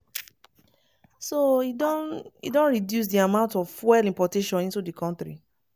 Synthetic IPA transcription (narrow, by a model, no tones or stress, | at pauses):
soidɔ̃nḭdõnɹidjus̬diamãʊ̃ntɔvfwɛlĩmpɔteʃɔ̃nĩntudikʰɔ̃ntɹḭ